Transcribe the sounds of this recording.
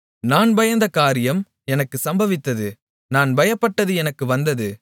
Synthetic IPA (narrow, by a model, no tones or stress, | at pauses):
naːnbɐjɐnd̪ɐkaːɾɪjɐm | ɛnɐkːɯsɐmbɐʋɪt̪ːɐðɯ | naːnbɐjɐpːɐʈːɐðɯɛnɐkːɯʋɐnd̪ɐðɯ